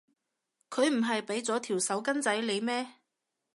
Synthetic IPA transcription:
kʰɵ˨˧ɥm̩˨˩ɦɐ˨jpe˨˥jt͡sɔː˨˥t̪ʰiː˨˩wsɐ˨˥wkɐ˥nt͡sɐ˨˥jle˨˧jmɛː˥

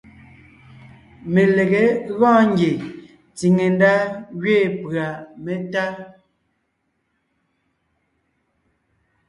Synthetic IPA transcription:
me˨le˨ɣe˨˦βɔ̃ː˦ŋ̩ɡje˨ | t͡si˨ŋe˨n˦da˦ɣɥeː˦˨pɰa˨me˨ta˦

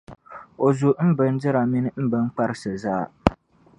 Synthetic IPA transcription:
o˨zu˨m̩˦bɨ˨n˦dɨ˦ɾa˨mi˦nɨ˦m̩˦bɨ˦ŋ̩˦k͡pa˦ɾsɨ˨zaː˦

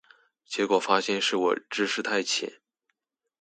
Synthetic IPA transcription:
t͡ɕjɛ˧˥kwɔ˨˩fa˥ɕjɛ˥nʂɻ̩˥˩wɔ̰˨˩ʈ͡ʂɻ̩˥ʂɻ̩˥˧t̪ʰa˥˩ɪt͡ɕʰjɛ̰˨˦n

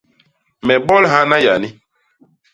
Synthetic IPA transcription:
mɛ˨bɔ˦lɦa˦na˦ja˨ni˦

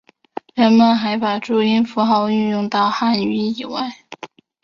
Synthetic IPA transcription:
ɻə˧˥nmə˧nxa˧˥ɪpa˨˩ʈ͡ʂu˥˩i˥nfu˧˥xɑ˧˥ʊy˥˧njʊ˥˧ŋt̪ɑ˥˧ʊxa˥˩ny˧˥i˨˩wa˥˩ɪ

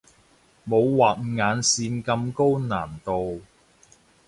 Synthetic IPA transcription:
mo˨˧wwaː˨˩t̚ŋaː˨˧nsiː˧nkɐ˧mko˥wnaː˨˩nt̪o˨w

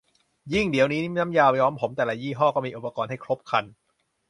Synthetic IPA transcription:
ji˥˩ŋdi˨˩˦əwniː˦˥na˦˥mjaː˧wjɔː˦˥mpʰo˩˦mt̪ɛː˨˩la˨˧˦jiː˥˩ɦɔː˥˩kɔː˥˩miː˧ʔu˨˩pa˧kɔː˧nha˥˩jkʰɾo˦˥p̚kʰa˧n

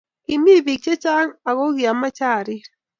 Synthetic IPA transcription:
i˨mi˦vi˨k̚t͡ʃe˦t͡ʃa˦ŋa˨ɣo˦ɣi˨a˨ma˦t͡ʃa˦˨ɾi˦

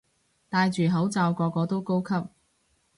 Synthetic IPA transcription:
t̪aː˧jt͡ʃyː˨ɦɐ˨˥wt͡saː˨˧wkɔː˧kɔː˧t̪o˥wko˥wkʰɐ˥p̚

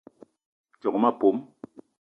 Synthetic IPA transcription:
t͡ʃɔ˨ŋ˨ma˦˨po˨˦m

